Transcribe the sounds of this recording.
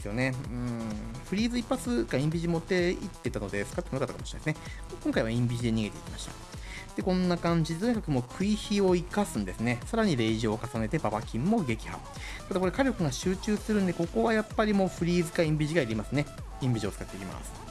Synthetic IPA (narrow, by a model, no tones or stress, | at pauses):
esɨjo̞ne̞ɯ̃ɸɯ̟ɾʲiːzɨipːat͡sɨkaĩmbʲiʑimo̞t̪ːe̞it̪ːe̞t̪ano̞d̪esɨ̥kat̪eonokat̪akamoɕi̥ɾnesɨne | kõ̞ŋkaiβaĩmbʲiʑid̪e̞ɲ̟iɡe̞t̪e̞ḭkʲimaɕi̥t̪ḁ̰ | d̪̥ekõ̞nːakãɲ̟d͡ʑid̪e̞t̪oɲ̟ikḁkɯ̟moːkʰɯ̟içio̞ikasɨ̃nd̪e̞sɨne̞saɾaɲ̟iɾe̞ʑio̞kasane̞t̪e̞babakʲĩmːo̞ɡe̞kʲi̥ha̰ | t̪ad̪ako̞ɾe̞kaɾʲo̞kɯ̟ɡaɕɨːt͡ɕɨːsɨ̥t̪eɾɯ̟̃nd̪e̞ko̞ko̞βajapːaɾʲimo̞ːɸɯ̟ɾʲiːzɨkaĩmbʲiʑiɡaiɾʲimasɨne̞ | ĩmbʲiʑio̞t͡sɨ̥kat̪ːeikʲima̰sɨ̥